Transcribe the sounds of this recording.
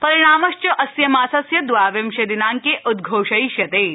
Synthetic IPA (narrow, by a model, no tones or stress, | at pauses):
pɐɾiɽ̃aːmɐʃt͡ʃɐʔɐsjɐmaːsɐsjɐd̪ʋaːʋjɐmʃed̪inaːŋkeʔud̪ɡʱoːʃɐjiʃjɐt̪eː